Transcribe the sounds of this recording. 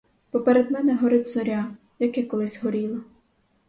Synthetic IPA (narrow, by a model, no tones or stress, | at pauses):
pɔpeɾed̪mɛnɛɦɔɾɪtʲzɔɾʲa | jɐkɛkɔlˠɪsʲɦɔɾʲilˠɐ